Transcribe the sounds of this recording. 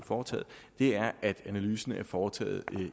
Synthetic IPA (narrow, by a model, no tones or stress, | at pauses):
fɒːt͡sʰɛ̰ːð̩ˠ | d̥e̝æɐʔæd̥ænælyːsn̩æɐfɒːt͡sʰɛ̰ːð̞̩ˠ